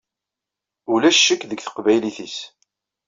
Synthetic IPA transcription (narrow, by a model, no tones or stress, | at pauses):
ulæʃːəkːðəɡθə̥qvæjliθis